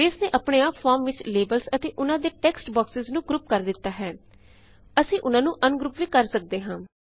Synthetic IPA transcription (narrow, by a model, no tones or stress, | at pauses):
eːsnẽːʔəpɳeːaːpfʰaːɾmʋɪt͡ʃleːbəlsət̪eːʔʊnãːd̪eːʈɛːksʈbaːksɪznũːɡɾuːpkəɾd̪ɪt̪ːaːɦɛː | əsĩːʔʊnãːnũːʔənɡɾuːpʋiːkəɾsək̚d̪eːɦãː